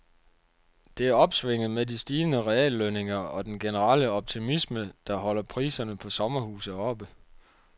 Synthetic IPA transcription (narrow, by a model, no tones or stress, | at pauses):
d̥e̝æɐɒ̽b̥sʋe̝ŋ̰ð̩ˠmedisd̥iːənəʁɛɛ̰ːlːøne̝ŋɐɒ̽d̥enɡ̥e̝nəʁɑ̰̈ləɒ̽b̥̚t͡sʰimisməd̥ɑ̈ɦɒ̽l̰ɐpʰʁḭːsɐnəpʰɒ̽sɒ̽mɐhuːsð̩ˠɒ̽b̥ə